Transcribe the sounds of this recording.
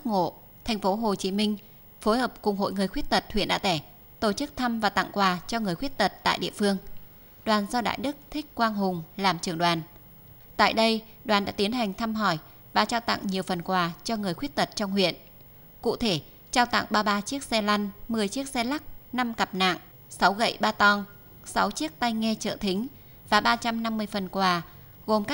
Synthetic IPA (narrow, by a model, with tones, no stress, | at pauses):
aː˦˥k̚ŋo̰˧˨ | t̪ʰa˨˩jŋ̟fo˨˦ɦo˨˩t͡ɕi˨˦mï˧ŋ̟ | fo˨˦jhəː˨˩p̚kʊ˨˩ŋ͡mɦo̰˧˨jŋɨ˨˩əjxwət̚t̪ə˨˩t̚hwḭ˧˨ənɗa̰ː˧˥t̪ɛ˧˩ | t̪o˧˩t͡ɕɨ˦˥k̚t̪ʰa˧mvaː˨˩t̪a̰˧˨ŋkwaː˨˩t͡ɕɔ˧ŋɨ˨˩əjxwi˦˥t̚t̪ə˨˩t̚t̪a̰ː˧˨jɗḭ˧˨əfɨ˧əŋ | ɗwaː˨˩nzɔ˧ɗa̰ː˧˨jɗɨ˦˥k̚t̪ʰï˦˥k̟̚kwaː˧ŋɦʊ˨˩ŋ͡mlaː˨˩mt͡ɕɨ˨˩əŋɗwaː˨˩n | t̪a̰ː˧˨jɗə˧jɗwaː˨˩nɗa̰ː˧˥t̪i˨˦ənha˨˩jŋ̟t̪ʰa˧mɦɔ˧˩j | vaː˨˩t͡ɕaː˧wt̪a̰˧˨ŋɲi˨˩əwfə˨˩nkwaː˨˩t͡ɕɔ˧ŋɨ˨˩əjxwi˦˥ət̚t̪ə˨˩t̚t͡ɕɔ˧wŋ͡mhwḭ˧˨ən | kṵ˧˨t̪ʰe˧˩ | t͡ɕaː˧wt̪a̰˧˨ŋɓaː˧ɓaː˧t͡ɕi˦˥ək̚sɛ˧la˧nmɨ˨˩əjt͡ɕi˦˥ək̚sɛ˧la˦˥k̚na˧mka˨˩p̚na̰˧˨ŋ | sa˨˦wɣə̰˧˨jɓaː˧t̪ɔ˧n | sa˨˦wt͡ɕi˦˥ək̚t̪a˧jŋɛ˧t͡ɕə̰ː˧˨t̪ʰï˨˦ŋ̟ | vaː˨˩ɓaː˧t͡ɕa˧mna˧mːɨ˧əjfə˨˩nkwaː˨˩ | ɣo˨˩mkaː˦˥